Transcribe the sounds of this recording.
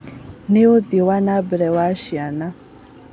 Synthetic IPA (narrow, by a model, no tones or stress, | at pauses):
neodiwanabɛɾɛwaʃiana